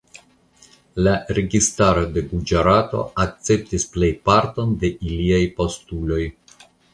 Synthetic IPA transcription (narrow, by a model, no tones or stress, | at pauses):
laɾe̞ɡistaɾo̞de̞ɡud͡ʒaɾato̞̰ak̚t͡se̞p̚tisple̞jpaɾto̞nde̞ʔiliajpo̞stulo̞j